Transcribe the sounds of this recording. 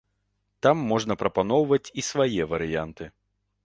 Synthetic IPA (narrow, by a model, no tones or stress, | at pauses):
t̪amːɔʐnɐpɾɐpanɔwvɐt͡sʲisvajɛvɐɾɨjant̪ɨ